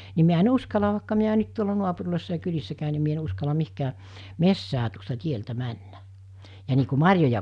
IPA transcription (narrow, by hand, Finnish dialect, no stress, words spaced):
ni miæ en uskɑlɑ ʋɑˑikːɑ miæ nyt tuolɑ nuɑpurlʲoˑisːɑ jɑ kylisːæ kæˑy ni mie en uskɑlɑ mihkæː mesːæː tuostɑ tieltæ mænːæ jɑ niː ku mɑrʲjojɑ